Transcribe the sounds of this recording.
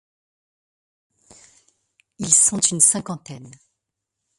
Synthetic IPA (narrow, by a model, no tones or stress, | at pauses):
ilsɔ̃t̪ynsɛ̃kɑ̃t̪ɛn